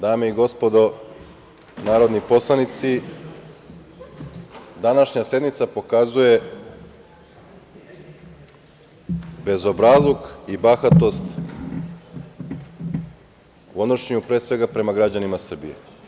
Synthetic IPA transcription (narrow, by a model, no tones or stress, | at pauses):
d̪aːmeiɡo̞spo̞d̪o̞ | naːɾo̞d̪nipo̞slˠanit̪si | d̪anaʃɲase̞d̪mit̪sapo̞kazuje̞ | be̞zo̞bɾazlˠokibaxat̪o̞st̪ | uod̪oʃeɲupɾe̞ːsʋe̞ɡapɾe̞maɡɾad͡ʑanimasr̩bḭjḛ